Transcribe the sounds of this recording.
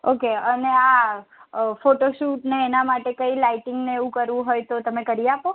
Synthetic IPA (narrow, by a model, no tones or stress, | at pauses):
okeənea | foʈoʃuʈneːnamaʈekəilajʈɪŋɡneeʋũkəɾʋũɦojt̪ot̪əmekəɾiapo